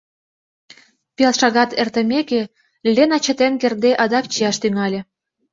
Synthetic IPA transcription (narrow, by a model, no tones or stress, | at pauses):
pelʃɑɣɑt̪ert̪ə̆mʲeke | lʲenɑt͡ɕə̆t̪enkerd̪eʔɑd̪ɑkt͡ɕijɑʃt̪yŋɑlʲĕ